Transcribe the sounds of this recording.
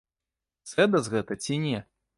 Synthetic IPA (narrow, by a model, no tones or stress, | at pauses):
sɛd̪ɐzɣɛt̪ɐt͡sʲinʲɛ